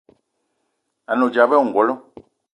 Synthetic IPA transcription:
a˨no˨d͡ʒa˨bɛ˦u˦˨ŋ˨ɡɔ˨lɔ˦

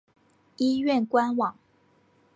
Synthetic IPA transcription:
i˦ɥɛ˥˨nkwa˥nwɑ˨˩˦ŋ

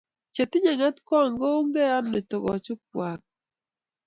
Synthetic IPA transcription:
t͡ʃe˨tɪ˦ɲa˨ŋa˦tkɔ˦˨ŋɡo˦u˦ŋɡe˦a˦nːe˨tɔ˨ɡɔ̰˨t͡ʃʊ˦p̚wa˨k̚

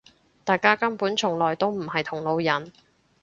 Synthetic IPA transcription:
t̪aː˨jkaː˥kɐ˥mpuː˨˥nt͡ʃʰʊ˨˩ŋlɔː˨˩jt̪o˥wm̩˨˩hɐ˨jt̪ʰʊ˨˩ŋlo˨˧wjɐ˨˩˦n

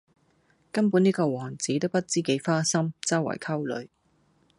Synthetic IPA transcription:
kɐ˥npuː˨˥niː˥kɔː˧wɔː˨˩ŋt͡siː˨˥t̪o˥wpɐ˥t̚t͡siː˥ke˨˧˥jfaː˥sɐ˥mt͡sɐ˥wːɐ̰˨˩jkʰɐ˥wlɵ̰˨˧˥ɥ

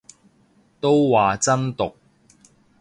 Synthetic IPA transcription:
t̪o˥wwaː˨t͡sɐ˥nt̪ʊ˨k̚

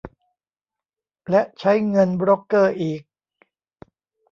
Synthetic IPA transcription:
lɛ˦˥ʔt͡ɕʰa˦˥jŋɤ˧nbɾoː˦˥kːɤː˥˩ʔiː˨˩k̚

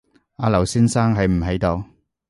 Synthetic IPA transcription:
aː˨˧lɐ˨˩wsiː˥nsaː˥ŋɦɐ˨jm̩˨˩ɦe˨˥jt̪o˨˧w

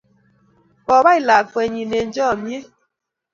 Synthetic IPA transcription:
pɔ˨ba˦i˨la˨fwɛ˨ɲi˨ne˨n˦d͡ʒɔː˦˨mje˦

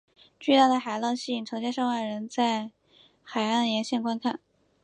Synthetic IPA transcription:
t͡ɕy˥˧t̪a˥˩d̪ə˩xa˨˩ɪlɑ˥˧ŋɕi˥˩˨ŋʈ͡ʂʰɤ˧˥ŋɕjɛ˥ʂɑ˥˧ŋwa˥˩ɻə˧˥nt͡sa˥˩ɪ | xa˨˩ɪa˥˩nd̪ə˩jɛ˧˥nɕjɛ˥˧˩nkwa˥nkʰa˥˩n

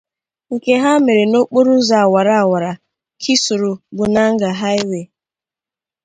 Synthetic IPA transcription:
ŋ̩˨ke˦ɦa˦me˨ɾe˨no˦k͡po˦ɾu˦za˨a˨wa˨ɾa˨a˨wa˨ɾa˨ | kʰi˦su˨ɾʊ˨bʊ˨na˦ŋ̩˦ɡa˨ɦa˦ɪ˦we˨

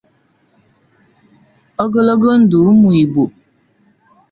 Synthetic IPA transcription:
ə˦ɡə˦lə˦ɡə˦n̩˨˦du˨˦mu˨i˨bo˨

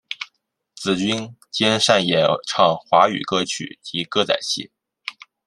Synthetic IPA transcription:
t͡sɹ̩˨˩t͡ɕy˥nt͡ɕjɛ˥nʂa˥˩njɛ˨˩ʈ͡ʂʰɑ˥˩ŋxwa˧˥y̰˨˩kɤ˥t͡ɕʰy̰˨˩t͡ɕi˧˥kɤ˥t͡sa̰˨˩ɪɕḭ˥˩

